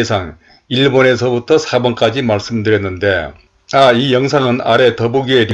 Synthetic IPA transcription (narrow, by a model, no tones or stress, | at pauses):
esʰaŋ | iɭbone̞sʰʌbutʰʌsʰabwʌnk͈ad͡ʑimaɭs͈ɯmdɯɾjʌnːɯnde̞ | aijʌŋsʰaŋɯna̰ɾe̞tʌbuɡieɾi